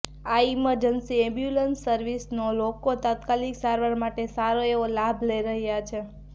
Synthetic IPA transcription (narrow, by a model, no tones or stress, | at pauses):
aiməɾd͡ʒənsiɛ̃mbjulənsːəɾʋisnolokot̪at̪kaliksaɾʋaɾmaʈesaɾoeʋolabʱləiɾəɦjat͡ʃʰe